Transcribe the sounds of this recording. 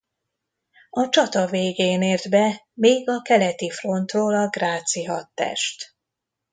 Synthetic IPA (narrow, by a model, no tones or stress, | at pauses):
ɒt͡ʃɒt̪ɒveːɡeːneːrd̪bɛ | meːɡɒkɛlɛt̪ifro̞nt̪roːlɒɡraːt̪siɦɒt̪ːɛ̰ʃt̪